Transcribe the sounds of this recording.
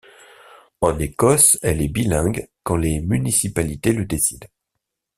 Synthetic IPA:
ɑ̃nekɔsɛlɛbilɛ̃ɡkɑ̃lemynisipalit̪eləd̪esid̪

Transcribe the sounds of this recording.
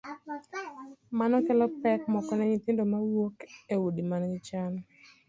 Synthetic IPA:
manɔkɛlɔpɛkmɔkɔnɛɲɪt̪ɪndomawokewodimanɡɪt͡ʃan

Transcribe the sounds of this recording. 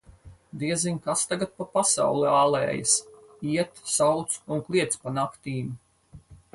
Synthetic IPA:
d̪iɛzinkast̪aɡat̪̚papasa̰wlˠiaːlˠɛ̰ːjas | iɛt̪sawt̪sunklˠiɛt̪spanakt̪iːmu

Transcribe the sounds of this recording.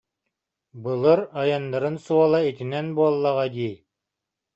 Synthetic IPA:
bɤ̆lˠɤɾɑjɑnd̪ɑɾɤnsuwɑlˠɑit̪ɘ̆nænbuɑlˠːɑʁɑd̪i

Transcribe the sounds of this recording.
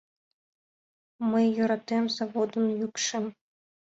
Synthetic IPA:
mɤjːuɾɑt̪ːemsovod̪ɤ̆njukʂɘ̆m

